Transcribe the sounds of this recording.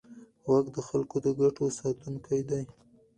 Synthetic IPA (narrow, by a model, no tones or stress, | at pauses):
waɡd̪əxalkod̪əɡaʈosɑt̪uŋkajd̪aj